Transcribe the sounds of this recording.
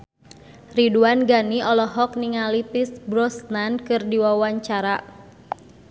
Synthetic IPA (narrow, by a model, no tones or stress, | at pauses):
riduanɡaniʔɔlɔɦɔk̚niŋalipisbɾɔsnankɨrdiwawaɲt͡ʃaɾa